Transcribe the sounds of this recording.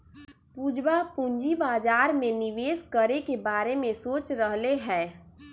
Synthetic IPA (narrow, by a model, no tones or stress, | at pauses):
pud͡ʒbapũɲd͡ʒibaːd͡ʒaːɾmẽnɪʋeːskəɾekebaːɾemẽsoːt͡ʃɾəɦleɦɛː